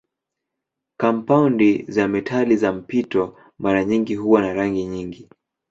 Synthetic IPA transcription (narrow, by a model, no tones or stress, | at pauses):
kam̩paundizamɛtʰalizam̩pitɔ | maɾaɲiŋɡiɦuwanaɾaŋɡiɲiŋɡi